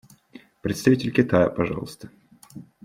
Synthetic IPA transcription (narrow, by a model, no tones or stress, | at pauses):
pɾʲɪt̪st̪ɐvitʲɪlʲkʲɪt̪ajəpɐʐɑ̰lˠəst̪ə̥